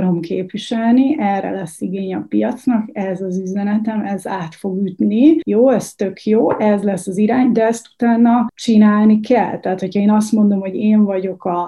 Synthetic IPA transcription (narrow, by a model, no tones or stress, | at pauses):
ɾo̞mkʰeːpʋiʃɛlniʔɛrːɛ̰lɛsːiɡeːɲɛpijɒt̪snɒkɛzɒzyzɛnɛt̪ɛmɛzaːt̪fo̞ɡjyt̪nijoːɛst̪ø̞kʰjoːʔɛzlɛsːɒziɾaːɲd̪ɛɛst̪u̥t̪aːnːɒt͡ʃinaːlnikɛ̰lt̪ɛɦaːt̪ho̞cʰɒeːnɒs̬t̪mo̞nd̪o̞mho̞ɟeːɱvɒɟo̞kɒ